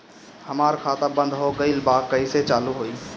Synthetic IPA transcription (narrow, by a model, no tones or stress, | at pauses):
həmaːɾkʰaːt̪abə̃nd̪ʱɦoɡəɪlbaːkəiset͡ʃaːluɦoːiː